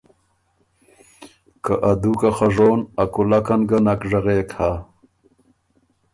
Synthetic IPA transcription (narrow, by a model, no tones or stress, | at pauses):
kaʔad̪ukaxaʐoːnɐkulakɐnɡɐnɐkʐɐɣeːkha